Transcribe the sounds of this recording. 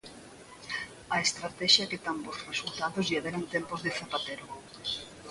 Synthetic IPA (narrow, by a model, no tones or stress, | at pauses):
aest̪ɾat̪ɛʃjɐket̪ambosresult̪aðozʎeðeɾant̪empozðefap̪at̪eɾo